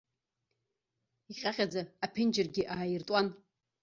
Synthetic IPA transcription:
iqʲʼaqʲʼad͡zaapʰɪnd͡ʒɪrɡʲɪʔaːjɪrtʼan

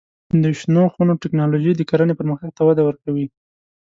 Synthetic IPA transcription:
d̪əʃnoxunoʈɪknɑloʒijd̪əkaɾanepəɾməxaɡ̚t̪awad̪awəɾkawi

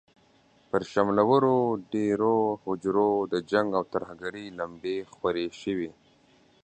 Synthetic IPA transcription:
pəɾʃamlawəɾoɖeɾohʊd͡ʒɾod̪əd͡ʒaŋɡawt̪əɾhaɡaɾilambexwaɾeʃəwi

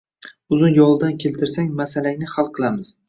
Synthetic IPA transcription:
ʊzʊnjɒlˠd̪ankʲʰe̞lt̪ʰɪɾsaŋmasalaŋnɪχalˠqʰɨlˠamɪz̥

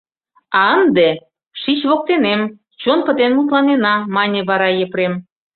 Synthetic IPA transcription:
ɑənd̪e | ʃit͡ɕβok̚t̪enem | t͡ɕonpə̆t̪enmut̪̬lɑnenɑmɑnʲĕβɑɾɑjə̆pɾem

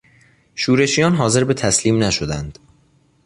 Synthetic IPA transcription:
ʃuːɾe̞ʃijɒːnɦɒːze̞ɾbe̞t̪ʰæsliːmnæʃod̪ænd̪̥

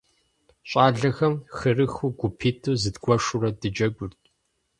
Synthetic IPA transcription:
ɕʼaːɮɐxɐmxɨrɨxuɡʷʊpʰiːtʰuːzɨdɡʷɔʂʊrɐdɨd͡ʒɐɡʷʼʊrtʼ

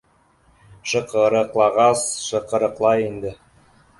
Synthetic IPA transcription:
ʃɤ̆qɤɾɤ̆qlˠɑʁɑsʃɤ̆qɤ̆ɾɤ̆qlˠɑjind̪ɘ

